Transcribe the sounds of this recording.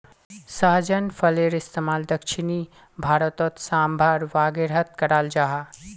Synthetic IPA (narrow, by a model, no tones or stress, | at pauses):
səɦd͡ʒənpʰəleɾɪst̪emald̪əkʃʰini | bʱaɾət̪ɔt̪sambʱaɾʋaɡeɾɦət̪kəɾald͡ʒaɦa